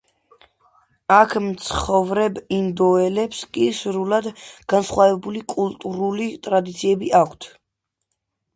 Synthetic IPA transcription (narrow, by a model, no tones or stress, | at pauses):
akʰmt̪sʰχɔvɾɛbind̪ɔɛlɛpskʼisɾulad̪ɡ̥ansχwavɛbulikʼulˠt̪ʼuɾulit̪ʼɾad̪it̪sʰiɛbiʔakʰt̪ʰ